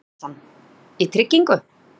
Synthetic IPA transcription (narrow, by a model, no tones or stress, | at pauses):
an | it̪ʰɾɪcːiŋkʏ